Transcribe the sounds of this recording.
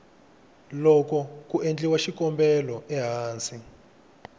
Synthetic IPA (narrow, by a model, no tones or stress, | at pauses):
lɔkɔk̬ʼuʔend͡ɮʼiwaʃikʼɔmbɛlɔʔɛɦaːnt͡si